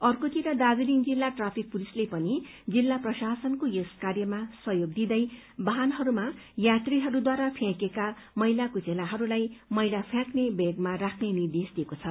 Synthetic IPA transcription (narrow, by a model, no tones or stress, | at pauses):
ʌrkot̪ʰiɾʌd̪ad͡zilind͡zilːaʈrapʰik̚pulislepʌni | d͡zilːaprʌsasʌnkojoskarjʌmasʌɦjoɡ̚d̪id̪ʌj | bʌɦanɦʌɾumajat̪riɦʌɾud̪waɾapʰjãkeka | mʌjlakod͡zelaɦʌɾulajmʌjlapʰjãknebeɡmarakʰnenird̪esd̪iekot͡sʰʌ